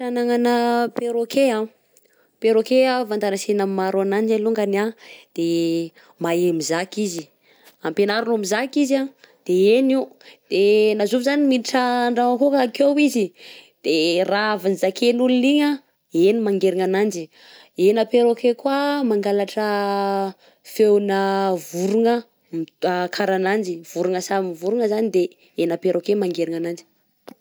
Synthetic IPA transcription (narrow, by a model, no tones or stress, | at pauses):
anaŋanəpeɾokʰea | peɾokeavand̪anasenammaɾanand͡ʒaluŋɡanad̪̥e | maemizakizi | ampenaɾunamizakiza | d̪̥eeniud̪̥enazuvizaniminiʈ͡ʂaɳɖ͡ʐaakokakowizid̪̥eraavanizakʰenuluniɲə | enimaŋɡeɾiŋanand͡ʒi | enapeɾokekwamaŋɡalaʈ͡ʂə | fewnəvuɾuŋə | makʰaɾanand͡ʒiv̥uɾuŋəsaminivuɾuŋəzanid̪e | enapeɾokemaŋɡeɾiŋanand͡ʒi̥